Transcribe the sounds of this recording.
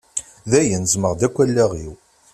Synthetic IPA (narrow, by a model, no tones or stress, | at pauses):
ðæjənzməʁd̪ækʷːælːæʁiw